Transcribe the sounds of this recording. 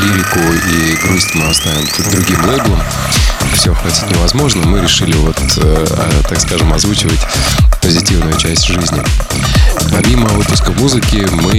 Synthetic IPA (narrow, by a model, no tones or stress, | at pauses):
lʲivʲɪkʊiɡɾusʲt̪nɨɐst̪aɪnt̪ʲd̪ɾʊɡʲimlˠejblˠəm | fsʲoxɐtʲi̥t̪ʲnʲɪvɐzmo̞ʐnəmɨɾʲɪʂɨlʲɪvo̞t̪ə | ɐ̰t̪akskaʐɨmɐzvut͡ɕɪvətʲpəzʲɪtʲivnʊjʊt͡ɕæsʲtʲʐɨzʲnʲɪ | pɐmʲiməvɨpʊskəmuzɨkʲɪmɨ